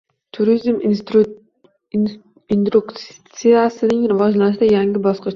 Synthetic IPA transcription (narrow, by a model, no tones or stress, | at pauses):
t̪ʰʊɾizm | ind̪ɾukt̪sijasɪnɪŋɾɪvɒd͡ʒlanɪʃɪd̪ajaŋɡʲɪbɒsqɨʃ